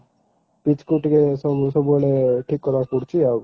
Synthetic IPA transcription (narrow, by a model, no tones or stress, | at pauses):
pit͡ʃkuʈːiɡesɐsɐbuɡɐɭeʈʰikːɔɾaːkuɽt͡ʃijaːɡu